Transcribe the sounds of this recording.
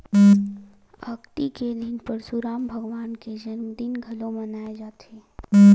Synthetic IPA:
ə̰kt̪ikelinpəɾsuɾaːmbʱəɡʋwaːnked͡ʒənmd̪inɡʱəlomənaːed͡ʒaːt̪e

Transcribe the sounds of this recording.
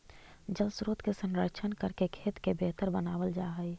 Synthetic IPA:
d͡ʒəlsɾoːt̪kesə̃nɾət͡ʃʰənkəɾkekʰeːt̪kebeːt̪əɾbənaːʋəld͡ʒaːɦəi

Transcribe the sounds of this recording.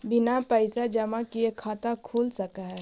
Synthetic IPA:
bɪnapəɪsad͡ʒəmakiekʰaːt̪akʰuːlsəkaɦɛ

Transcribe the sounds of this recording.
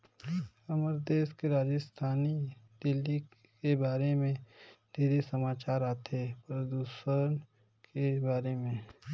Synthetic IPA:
ɐməɾd̪eːskeɾaːd͡ʒəst̪ʰaːnid̪ɪlːi | kebaːɾemẽd̪̥ʱiːɾesɐmaːt͡ʃaːɾaːt̪epɾəd̪uːsən | kebaːɾemẽː

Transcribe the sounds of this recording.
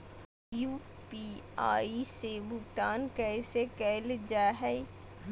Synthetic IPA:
juː | pia̰ːisebʊkt̪aːnkɛsekɛːld͡ʒaːɦɛ

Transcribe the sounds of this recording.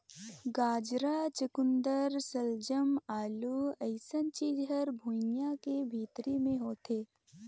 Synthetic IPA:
ɡaːd͡ʒɾat͡ʃəkʊ̃nd̪əɾsəld͡ʒəmaːluɐɪsənt͡ʃiːd͡ʒɦəɾbʱunjakebʱiːt̪ɾimẽɦoːt̪ʰeː

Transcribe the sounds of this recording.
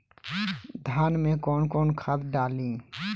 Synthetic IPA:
d̪ʱaːnmẽkɔːnkɔːnkʰat̪ɖaːlĩː

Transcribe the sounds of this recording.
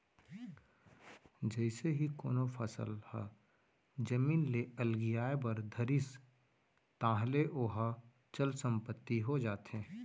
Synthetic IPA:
d͡ʒɛɪseɦiko̰ːnofʰə̰sə̰lhɛ̰ | d͡ʒəmiːnleəlɡɪjaːebəɾd̪ʱəɾɪs | t̪ãːɦleʔoːɦa | t͡ʃəlsə̃mpət̪ːiɦod͡ʒaːt̪ɦɛ̃ː

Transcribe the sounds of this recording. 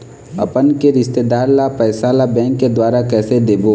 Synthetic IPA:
ɐ̰pənkeɾɪst̪ed̪aːɾlapɛːsalabɛ̃ːŋkːed̪waːɾakɛːsed̪eːboː

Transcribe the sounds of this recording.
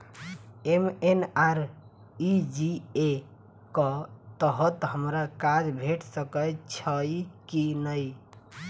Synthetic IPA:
emenaɾ | id͡ʒie | kət̪əɦət̪ɦəmɾakad͡ʒbʱeʈʰsəkət͡ʃʰəjkinəj

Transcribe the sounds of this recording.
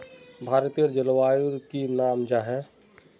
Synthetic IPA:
bʱaːɾt̪ijəɾd͡ʒəlwaːjuɾkinaːmd͡ʒaɦɛ

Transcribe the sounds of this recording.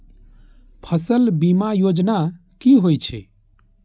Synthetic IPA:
pʰəsəlbimajoːd͡ʒna | kiɦoit͡ʃʰḛ

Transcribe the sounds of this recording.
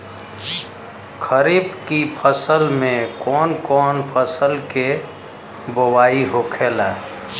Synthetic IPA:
kʰəɾibkipʰəsəlmẽkɔːnkɔːnpʰəsəlke | bowaːiɦokʰelaː

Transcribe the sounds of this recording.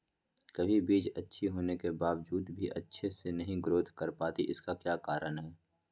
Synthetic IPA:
kɐbʱibiːd͡ʒɐtːʃʰiɦoːnekebaːʋd͡ʒuːd̪bʱiʔɐ̰tːʃʰesenɐɦĩɡɾoːd̪ʱkəɾpaːt̪iʔɪ̰skakjaːkaːɾənɦɛː

